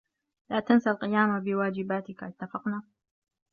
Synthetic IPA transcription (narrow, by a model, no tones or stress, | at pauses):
laːt̪ansalqɪjaːmabɪwaːd͡ʒɪbaːt̪ɪkʔat̪ːafɑqnaː